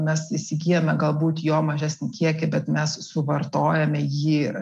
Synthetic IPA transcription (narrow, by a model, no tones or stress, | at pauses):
mʲɛsɪʃsʲɪɡʲiːjomʲɛɡɐlˠbuːt̪joːmɐʒʲæːsʲnʲɪkʲiɛkʲɪbʲɛt̪mʲɛssʊʋɐrt̪oːjɛmʲɛjiː